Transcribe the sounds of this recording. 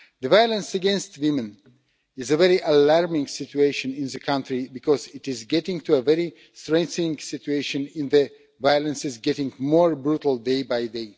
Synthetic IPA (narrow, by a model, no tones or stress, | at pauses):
ðɨvajələ̃nsəɡɛ̃nstwɪ̃mɨ̃n | ɪzəvɛɹiʔəlaɹmɪ̃ŋsɪtueɪʃɨ̃nɪ̃nðɨkʰãntɹibɨkʰɔzɪtɪzɡɛtɪ̃ŋtuəvɛɹi | stɹɛ̃ŋkθnɪ̃ŋsɪtueɪʃɨ̃nɪ̃nðɨ | vajəlˠə̃nsɨzɡɛɾɪ̃ŋmɔɹbɹutl̩ˠdeɪbaɪdeɪ